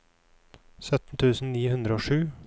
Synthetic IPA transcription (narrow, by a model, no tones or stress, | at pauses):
sœt̪n̩t̪ʰʉːsn̩niːhʉnd̪ɾəoːʂʉː